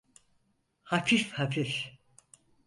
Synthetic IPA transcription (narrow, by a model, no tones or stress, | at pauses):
hafʰifhafif